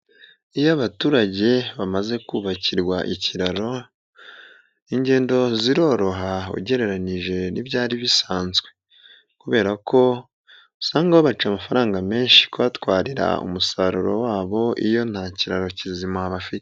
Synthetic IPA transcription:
ijaβatuːɾaɟe̞βamaze̞kuːβaciɾɡwaʔiciɾaɾo̞ | iɲɟe̞ːndo̞ziɾo̞ːɾo̞ɦaṵɟe̞ɾe̞ɾaniʒe̞nibjaːɾiβisaːnzɡwe̞ | kuβe̞ːɾakʰo̞ | saːŋɡaoβat͡ʃamafaɾaːŋɡame̞ːnʃi̥koβatwaːɾiɾa̰ṵmusaɾuɾo̞̰waːβo̞ʔḭjo̞n̥haciɾaɾo̞cizimaβafik

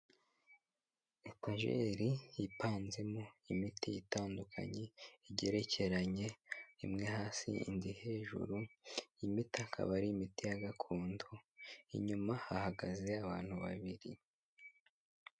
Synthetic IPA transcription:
etaʒḛɾijipaːnze̞moimitijitaːndukʰa̰ɲe̞iɟe̞ɾe̞ce̞ɾaɲe̞imŋe̞haːsḭḭndihe̞ːʒṵɾuimitakʰa̰βaɾiːmitijaɡakʰuːndoḭɲumahahaɡaze̞aβaːn̥huβa̰βiɾḭ

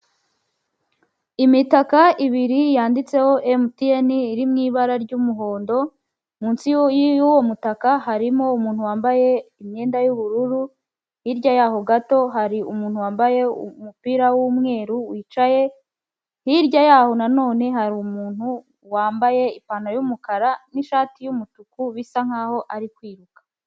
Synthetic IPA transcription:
imitakaiβiɾijaːndit͡se̞ho̞ʔemutieniːɾimŋiːβaɾaɾɟumuɦo̞ːndo̞ | muːnsijjuwo̞mutakaɦaɾimo̞umuːn̥huwaːmbaje̞imɲe̞ːndajuβuɾuɾu | hiːɾɟajaːɦo̞ɡato̞ɦaɾiumuːn̥huwaːmbaje̞ṵmupiɾawumŋe̞ːɾuwiːt͡ʃaje̞ | hiɾɟajaho̞nano̞ːne̞ɦaɾumuːn̥hu | waːmbaje̞ipaːnajumukaɾaniʃaːtijumutukuβisaŋ̥haːho̞ʔaɾikwiːɾukḁ

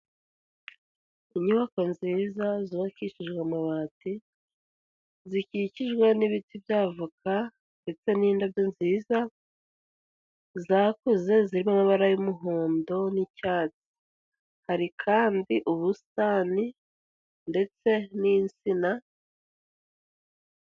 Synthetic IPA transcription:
iɲuβako̞nziːzaziβakiʃiʒɡwamaβaːti | zikiciʒɡwaniβitibjaːvukʰa | nde̞t͡se̞niːndabjonziːza | zakuze̞ziɾimamaβaɾajumuɦoːndo̞nicaːt͡si̥ | haɾikʰaːndiʔuβustaːni | nde̞t͡se̞nint͡sina

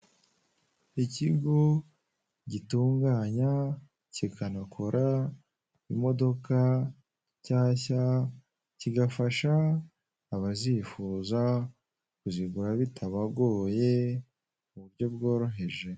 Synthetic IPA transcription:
iciɡo̞ | ɟituːŋɡaːɲa | cikʰanakʰoɾʔa | imo̞do̞ka | caːça | ciɡafaʃaː | βazifuza | kuziɡuɾaβitʰaβaɡo̞ːje̞ | uβuɾɟo̞b̚ɡo̞ːɾo̞ɦe̞ʒe̞

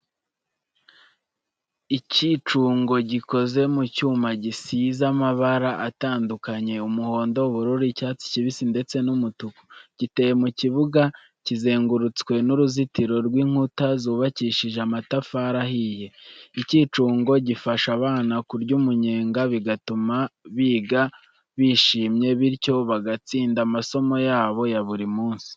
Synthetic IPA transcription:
icit͡ʃuːŋɡo̞ɟiko̞ze̞mucuːmaɟisizamaβaɾaʔataːndukaɲe̞umuho̞ːndo̞βuɾuɾicaːt͡si̥ciβisinde̞t͡se̞numutuku̥ɟ̥ite̞ːjemuciβuɡa | cize̞ːŋɡuɾut͡skwe̞nuɾuzitiɾo̞ɾɡwiːŋ̥hutazuːβaciːʃiʒeamatafaɾahije̞iciːt͡ʃuːŋɡo̞ɟifaʃaβaːnakuɾɟuːmuɲe̞ːŋɡaβiɡatumaβiːɡa | βiːʃiːmɲe̞βiɾco̞βaɡat͡siːndamaso̞mo̞jaːβo̞jaβuɾimuːnsi̥

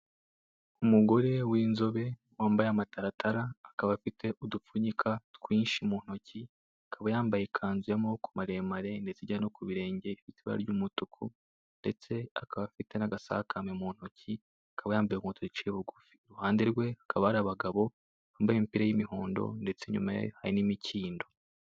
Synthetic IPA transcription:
umuɡo̞ɾe̞wiːnzo̞βe̞ | waːmbajamataɾatʰaɾaːkaβafitʰe̞ʔudup͡fuɲikʰatkwiːnʃimuːn̥o̞ci | akʰaβajaːmbajekʰaːnzujamokumaɾemaɾe̞nde̞t͡siɟano̞kuβiɾe̞ːɲɟeifitiβa̰ɾɟumutukʰu | nde̞̰t͡se̞a̰kaβafite̞naɡasa̰hkʰamemuːn̥hocʰi | akʰaβajaːmbajekutʰuɾit͡ʃeeβuɡufi̥ɾuhaːndeɾɡwe̞akʰaβaaɾaβaɡaβo̞ | aːmbajempiɾajimihoːndo̰nde̞t͡se̞ɲṵmajḛhaɾinimicʰiːndo̞

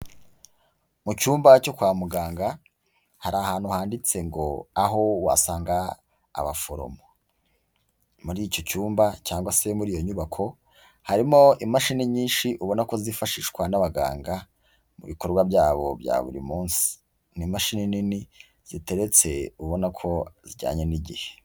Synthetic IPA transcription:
mucuːmbaco̞kwaːmuɡaːŋɡa | haɾaːhaːn̥huhaːndit͡se̞ŋɡo̞̰aɦo̞wa̰saːŋɡa̰ː | βa̰fo̞ɾo̰mo | muɾico̞cuːmbacaːŋɡwase̞muɾiːjo̞ɲuβakʰo̞ | haɾimo̞ʔimaʃiniɲiːnʃiʔuβo̞nako̞zifaʃiːʃkwanaβaɡa̰ːŋɡa | mṵβiko̞ɾɡwabɟaːβo̞̰bja̰ːβṵɾḭmuːnsi̥ | nimaʃininini | z̥ite̞ɾe̞t͡se̞uβo̞nakʰo̞ziɟa̰ːɲe̞niɟḭhe̥

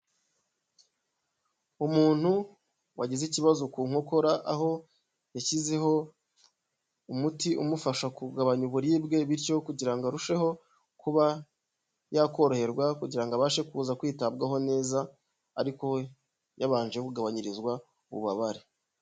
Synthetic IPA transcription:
umuːn̥hu | wʔaɟiziciβazokuːŋ̥ho̞ko̞ɾaʔaɦo̞ | jacize̞ɦo̞ | umutiʔumufaʃakuɡaβaɲuβuɾiːbɡe̞βiɾco̞kuɟiɾaŋɡaɾuʃe̞ho̞ | kuβa | jako̞ɾohe̞ɾɡwakuɟiɾaŋɡaβaːʃe̞kuːzakwiːtab̚ɡaɦo̞ne̞ːzaː | ɾiko̞ | jaβaːnʒejekuɡaβaɲiɾizɡwa | uβṵβaβaɾe

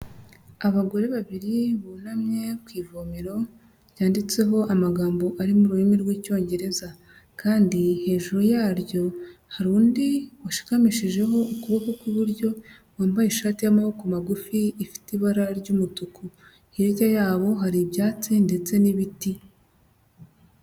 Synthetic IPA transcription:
aβaɡo̞ɾe̞βaβiɾiβonamɲe̞kwiːvomiɾo̞ | jaːndit͡se̞ɦo̞ʔamaɡaːmbo̞ʔaɾimuɾuimiɾɡwiːco̞ːɲɟe̞ɾe̞za | kaːndihe̞ːʒuɾujaːɾjo̞haɾuːndiwaʃi̥kamiʃiʒe̞ɦo̞ukuβokokwuβuɾɟo̞ | waːmbajiʃaːtijamaβokumaɡufiːfi̥tiβaɾaɾɟumutuku | iɾjajaːβo̞ɦaɾibjaːt͡sinde̞t͡se̞niβiti

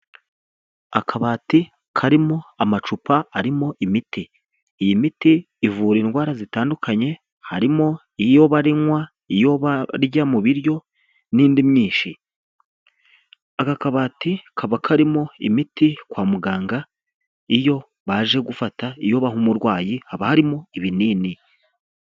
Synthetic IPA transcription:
a̰kʰaβaːti | kʰaɾimo̞amat͡ʃupaaɾimo̞ʔimitiː | jimitiː | vuːɾiːnɡwaːɾazitaːndukʰaɲe̞ | haɾimo̞ | ijo̞βaɾiŋwa | ijo̞βaɾɟamuβiɾjo̞ | niːndimɲiːʃi | akakaβatikʰaβakʰaɾimo̞ḭmitikwaːmuɡaːŋɡa | ijo̞ | βaʒe̞ɡufataijo̞βahumuɾɡwaːjihaβahaɾimo̞iβiniːni

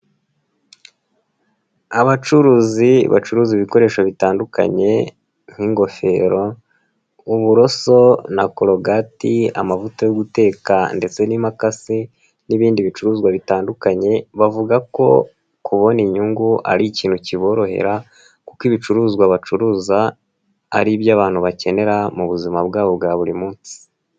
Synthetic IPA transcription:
aβat͡ʃuɾuːziβa̰t͡ʃuɾuːziβiko̞ɾe̞ːʃaβitaːnduka̰ɲe̞ | ŋ̥hiŋɡo̞fe̞̰ɾo̞ | uβuɾo̞so̞nakoɾoɡatia̰mavutajoɡute̞ːkande̞t͡se̞nimakasi | niβiːndiβit͡ʃuɾuːzɡwaβitaːndukaɲe̞βavuɡako̞̰ | kuβo̞niɲuŋɡuʔa̰ɾiciːn̥huciβo̞ːɾo̞ɦe̞̰ɾa | kukiβit͡ʃuɾuːzɡwaβat͡ʃuɾuːza̰ː | ɾiβjaβaːn̥huβace̞ne̞ɾamuβuzimabɡaːβo̞bɡaβuɾimuːnsi̥

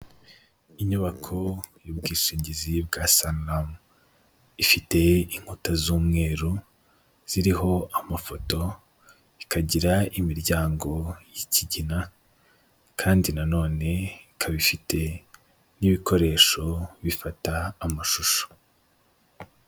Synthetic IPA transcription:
iɲuβakʰo̞jubɡiːʃiːɲɟizibɡasanlam | ifite̞iŋ̥hutazuːmŋe̞ːɾu | z̥iɾiɦo̞amafo̞to̞ | ikʰaɟiɾaimiɾɟaːŋɡo̞jiciɟina | kʰaːndinano̞ːne̞ikʰaβifite̞ | niβiko̞ɾe̞ːʃo̞βifataːmaʃuʃo̥

